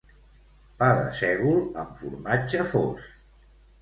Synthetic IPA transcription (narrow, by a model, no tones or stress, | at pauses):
paðə̰sɛɣulˠəɱfṵɾmat͡ʃəfos